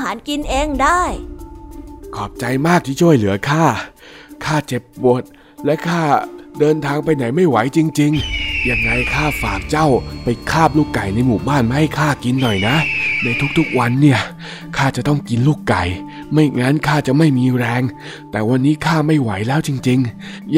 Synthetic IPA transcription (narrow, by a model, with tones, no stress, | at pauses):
ɦaː˩˦nki˧nʔeː˧ŋdaː˥˩j | kʰɔː˨˩p̚t͡ɕa˧jmaː˥˩k̚t̪ʰiː˥˩t͡ɕʰu˥˩əjlɯ˩˦ɐkʰaː˥˩ | kʰaː˥˩t͡ɕe˨˩p̚bo˨˩t̪̚ | lɛ˦˥wkʰaː˥˩dɤː˧nt̪ʰaː˧ŋpa˧jna˩˦jma˥˩jwa˩˦jt͡ɕi˧ŋt͡ɕi˧ŋjaː˨˩ŋːa˧jkʰaː˥˩faː˨˩k̚t͡ɕa˥˩wpa˧jkʰaː˥˩p̚luː˥˩kːa˨˩jna˧jmuː˨˩baː˥˩nma˧˥˩ha˥˩jkʰaː˥˩ki˧nːɔ˨˩jna˦˥ʔna˧jt̪ʰu˦˥k̚t̪ʰu˦˥k̚wa˧nːi˥˩ɐ | kʰaː˥˩t͡ɕa˨˩t̪ɔ˥˩ŋki˧nluː˥˩kːa˨˩j | ma˥˩jŋa˦˥nkʰaː˥˩t͡ɕa˨˩ma˥˩jmiː˧ɾɛː˧ŋ | t̪ɛː˨˩wa˧nːiː˦˥kʰaː˥˩ma˥˩jwa˩˦jlɛː˦˥wt͡ɕi˧ŋt͡ɕi˧ŋ